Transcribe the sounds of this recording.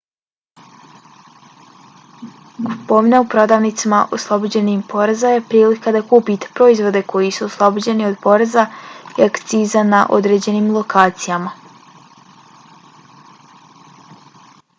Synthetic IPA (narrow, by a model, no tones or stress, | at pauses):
ɡupoʋinaupɾo̞d̪aʋnit̪simaʔoslˠobod͡ʑe̞nimpo̞ɾezaje̞pɾiːlikad̪akuːpit̪e̥pɾo̞izʋo̞d̪e̞kʰo̞jisuoslˠobod͡ʑe̞nio̞d̪po̞ɾezaiakt̪siːzanaʔo̞̰d̪ɾe̞ːd͡ʑe̞nimlˠo̞kaːt̪sijama